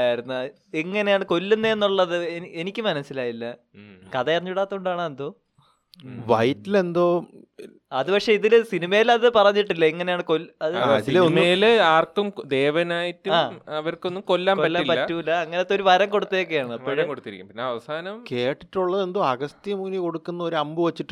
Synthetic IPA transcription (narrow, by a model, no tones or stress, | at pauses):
ajiɾunːu | eŋːɐne̞jaːɳɨko̞lːunːeenːuɭːɐðɨenienikʲːɨmɐnɐsːilaːjilːɐ | kɐðɐirɐɲːupiɽaːt̪ːuuɳɖaːɳɐend̪o̞ː | ʋɐjtːile̞nd̪oː | ɐðupɐkʂe̞iðilsinimɐjilɐðɨpɐrɐɲːiʈːilːɐiŋːɐne̞jaːɳɨko̞lɐðɨslonmejilaːrkːumd̪e̞ːʋɐnaːjɐtːuamːɐʋɐrko̞nːumko̞lːaːmkpɐːaːipɐːɐːuilːɐːŋːɐnet̪ːoɾuʋɐɾɐŋko̞ɽut̪ːejok̬ːe̞jaːɳɨɐpːoɾɐmkoɽut̪ːiɾikʲːumpinːeɐʋɐsaːnɐmke̞ːʈːiʈːuɭːɐðe̞nd̪o̞ːɐɣɐst̪ijmuːniko̞ɽukːunːɐoɾuɐmbɨʋɐt͡ɕːiʈː